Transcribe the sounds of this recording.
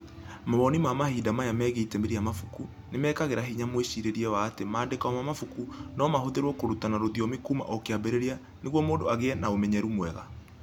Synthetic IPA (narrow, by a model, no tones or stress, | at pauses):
maβɔnimamahidamajamɛːɣeitɛmeɾijamafuku | nemɛːkaɣeɾaɦiɲamweɕiɾeɾiɛwaːtemaːndekaɔmamafukunɔmahoðeɾwɔkoɾutanaɾoðiɔmekuma̰ʔokeabeɾeɾia | neɣwɔmoːndoaɣeɛnaomɛɲɛɾumwɛɣa̰